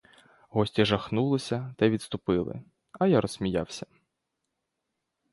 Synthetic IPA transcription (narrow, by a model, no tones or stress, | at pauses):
ɦɔsʲtʲiʒɐxnulˠɪsʲɐt̪ɐjʋʲid̪t̪st̪ʊpɪlˠɪ̰ | ɐjaɾɔsmʲijawsʲɐ